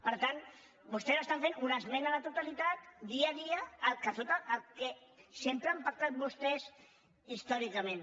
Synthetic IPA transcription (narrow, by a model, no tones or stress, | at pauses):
pəɾt̪an | bust̪ɛzəst̪aɱfenunəzmɛnəðət̪ut̪alit̪at̪d̪iəðiəːlˠkəsot̪əʔːlˠkɛsempɾəampək̚t̪at̪̚bust̪ɛz | ist̪ɔɾikəmẽn